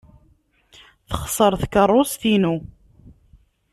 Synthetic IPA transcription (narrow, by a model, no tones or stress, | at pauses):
θəχəsˤəɾˤθkərˤːosθinu